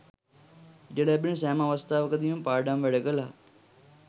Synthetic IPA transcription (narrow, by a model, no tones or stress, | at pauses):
d͡ʒeɽeːbɪns̬ɛːmãːʋəst̪aːʋkəd̪iːũmpaːɾɖãːmʋeɽəkəlaː